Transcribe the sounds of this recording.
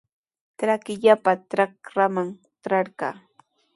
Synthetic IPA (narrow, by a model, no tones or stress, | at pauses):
t̪ɾakɪʎapat̪ɾakɾamaŋ | t̪ɾɑɾɢɑː